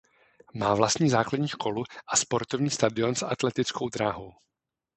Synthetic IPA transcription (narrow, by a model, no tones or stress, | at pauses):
maːvlast̪ɲiːzaːkladɲiːʃkʰo̞luʔaspo̞ɾt̪ovɲiːst̪adɪo̞nsʔat̪lɛt̪ɪt͡sko̞wd̪ɾaːɦo̞w